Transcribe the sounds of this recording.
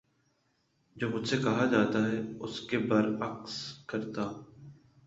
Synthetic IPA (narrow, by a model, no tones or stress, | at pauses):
d͡ʒoːmʊd͡ʒʱsekɐɦad͡ʒaːt̪aɦɛʊskebɐɾɐkskɐɾt̪aː